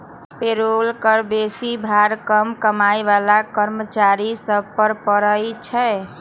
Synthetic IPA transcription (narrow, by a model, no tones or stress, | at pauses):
peɾolkəɾbesibʱaɾkəmkəmajbalakəɾmət͡ʃaɾisəb̚pəɾpəɾəjt͡ʃʰɛ